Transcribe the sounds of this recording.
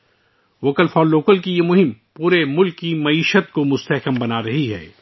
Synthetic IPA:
ʋoːkəlfɔːnloːkəlkijemʊɦɪmpuːɾemʊlkːimɐiːʃət̪̚komʊst̪ɐɦkəmbɐnaɾɐɦiɦɛ̰ː

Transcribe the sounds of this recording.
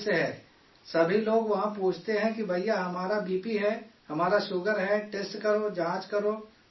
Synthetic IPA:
seɦɛː | sɐbʱiloːɡʋɐɦãpuːt͡ʃʰt̪eɦɛ̃kibʱɐijaɦɐmaːɾabiːpiɦɛhɐmaːɾaʃʊɡəɾɦɛʈeːsʈkɐɾod͡ʒãːt͡ʃkɐɾoː

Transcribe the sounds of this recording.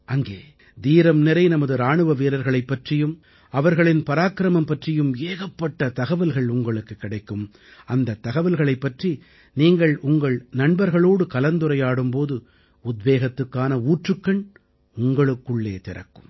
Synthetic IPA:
ʔɐŋɡeː | d̪iːɾɐmnɛɾɐɪnɐmɐðɯɾaːɳɯʋɐʋiːɾɐɾɣɐɭɐɪpːɐʈrɪjɯm | ɐʋɐɾɣɐɭɪnpɐɾaːkɾɐmɐmpɐʈrɪjɯmeːɣɐpːɐʈːɐt̪ɐɣɐʋɪlɣɐɭʊŋɡɐɭɯkːɯkːɪɽɐɪkːɯm | ɐnd̪ɐt̪ːɐɣɐʋɪlɣɐɭɐɪpːɐʈri | niːŋɡɐɭʊŋɡɐɭnɐɳbɐɾɣɐɭoːɽɯkɐlɐnd̪ɯɾɐjaːɽɯmpoːðɯ | ʊd̪ʋeːɣɐt̪ːɯkːaːnɐuːʈrɯkːɐɳ | ʊŋɡɐɭɯkːɯɭːeːt̪ɪɾɐ̰kːɯ̥m

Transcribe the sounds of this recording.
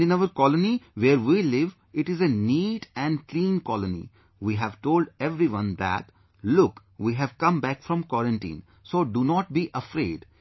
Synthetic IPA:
ɪ̃nəʋəɾkɔləniʋeːɾʋiːlɪʋ | ɪʈɪzeniːʈɛ̃ɳɖklĩːnkɔlənḭ | ʋiːɦæʋʈoːlɖɛʋɾiʋʌ̃nd̪æ̰ʈ | lʊk | ʋiːɦæʋkʌ̃mbækfɾɔ̃mkwɔɾə̃ɳʈḭ̃ːn | soːɖunɔːʈ̚biːʔəfɾḛːɖ

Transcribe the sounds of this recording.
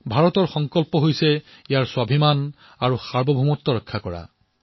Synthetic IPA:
bʱaɹɔtɔɹxɔŋkɔlpɔɦojsɛ | ijaɹswabʱiman | aɹuxaɹbɔbʱumɔtːɔɹɔkʰːakɔɹa̰

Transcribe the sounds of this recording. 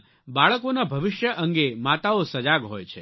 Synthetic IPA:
baɭəkonabʱəʋɪʃjəʔəŋɡemat̪aosəd͡ʒaɡɦojt͡ʃʰe

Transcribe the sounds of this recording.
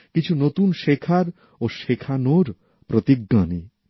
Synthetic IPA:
kit͡ɕʰunot̪unʃekʰaɾ | oʃekʰanoɾ | pɾot̪iɡːani

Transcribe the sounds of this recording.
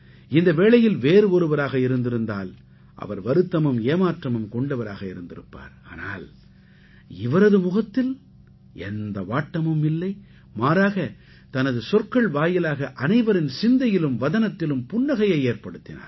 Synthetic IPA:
ɪnd̪ɐʋeːɭɐjɪlʋeːɾɯɔɾɯʋɐɾaːɣɐɪɾɯnd̪ɪɾɯnd̪aːl | ʔɐ̰ʋɐɾʋɐɾɯt̪ːɐmɯmeːmaːʈrɐmɯmkɔɳɖɐʋɐɾa̰ːɣɐɪɾɯnd̪ɪɾɯ̰pːa̰ːɾaːna̰ːl | ɪʋɐɾɐðɯmʊɣɐt̪ːɪl | ʔɛ̰nd̪ɐʋaːʈːɐmɯmɪlːɐɪ | maːɾaːɣɐ | t̪ɐnɐðɯsɔɾkɐɭʋaːjɐlaːɣɐʔɐnɐɪʋɐɾɪnsɪnd̪ɐjɪlɯmʋɐðɐnɐt̪ːɪlɯmpʊɳːɐɣɐjɐɪeːɾpɐɽɯt̪ːɪna̰ːɾ

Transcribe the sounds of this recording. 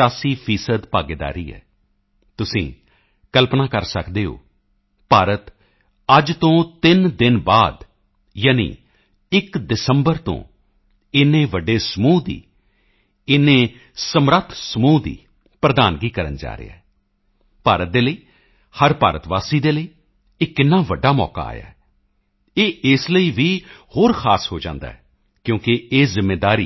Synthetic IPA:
aːsiːpʰiːsəd̪paːɡeːd̪a̰ːɾiːɛ̰ː | t̪ʊsĩː | kəlpnaːkəɾsəkd̪eːɦo̰ː | paːɾət̪ | əd͡ʒt̪õːt̪ɪnd̪ɪnbaːd̪ | jaːnḭː | ɪkd̪ɪsəmbəɾt̪õ̰ː | ɪnẽːʋəɖeːsəmuːd̪ḭː | ɪnẽː | səmɾət̪ʰsəmuːd̪ḭː | pɾəd̪aːnɡiːkəɾənd͡ʒa̰ːɾḛa̰ː | paːɾət̪̚d̪eːləiː | həɾpaːɾət̪ʋaːsiːd̪eːləiː | ɪkːɪnːaːʋəɖːaːmɔ̰ːka̰a̰ːja̰ːɛ | eːʔɪsləiːʋiːhoːɾkʰaːsɦoːd͡ʒã̰ːnd̪a̰ːɦɛ | kjõːkɪeːzɪmːeːd̪aːɾiː

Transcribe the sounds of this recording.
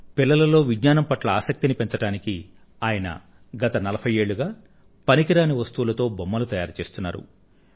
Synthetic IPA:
pilːɐlɐlo̞ːʋidɲaːnɐmpɐʈlɐaːsɐk̚t̪inipe̞ɲt͡ʃɐɽaːniki | aːjɐnɐ̰ | ɡɐt̪ɐnɐlɐpʰɐje̞ːɭːuɡaː | pɐnikiɾaːniʋɐst̪uwulɐt̪o̞ːbomːɐlut̪ɐjaːɾt͡ʃe̞ːst̪unːa̰ːɾṵ

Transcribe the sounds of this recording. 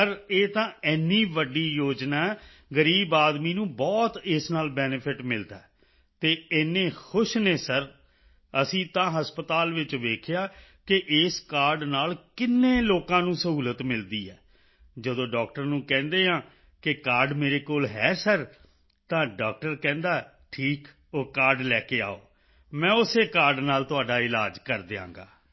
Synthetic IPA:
əɾeːt̪ãːɛːniːʋəɖiːjoːd͡ʒnaː | ɡəɾiːbaːd̪miːnũːbɔːt̪ɪsnaːlbɛːnɪpʰɪʈmɪld̪aɛ | t̪eːeːnːẽːxʰʊʃneːsəɾ | əsĩːt̪ãːɦəspət̪aːlʋɪt͡ʃʋeːkʰejaːkɪʔɪːskaːɾɖnaːlkɪnːẽːloːkãːnũːsəɦuːlət̪mɪld̪iːɛː | d͡ʒəd̪õːɖɔːk̚ʈəɾnũːkɛ̃ːnd̪eːɦãː | kɪkaːɾɖmeːɾeːkoːlɦɛːsəɾ | t̪ãːɖaːk̚ʈəɾkɛ̃ːnd̪aː | ʈʰiːk | oːkaːɾɖlɛːkeːa̰ːo̰ː | mɛ̃ːʊseːkaːɾɖnaːlt̪ʊaːɖaːɪlaːd͡ʒkəɾd̪eːã̰ːŋɡa̰ː

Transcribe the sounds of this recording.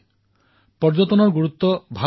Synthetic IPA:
pɔɾd͡ʒɔt̪ɔnɔɾɡuɾut̪ːɔbʱa

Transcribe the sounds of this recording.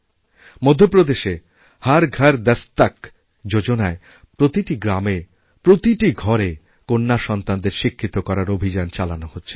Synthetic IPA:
mod̪ʱːopɾod̪eʃe | haɾɡʱaɾd̪ɛst̪ak | d͡ʑod͡ʑonae | pɾot̪iʈiɡɾame | pɾot̪iʈiɡʱɔɾe | konːaʃɔnt̪and̪eɾʃikʰːit̪okɔɾaɾobʱid͡ʑant͡ɕalanohotːɕʰe̥

